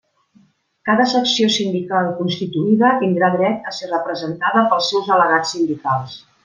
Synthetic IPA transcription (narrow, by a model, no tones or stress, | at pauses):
kaðəsəksiosind̪ikalˠkunst̪it̪uiðət̪ind̪ɾaðɾɛt̪əserəpɾəzənt̪aðəpəlˠsːɛwzələɣat͡sːind̪ikalˠs